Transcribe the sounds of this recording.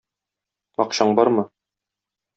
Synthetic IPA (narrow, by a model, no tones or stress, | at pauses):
ɒqɕɑɴbɒɾmɤ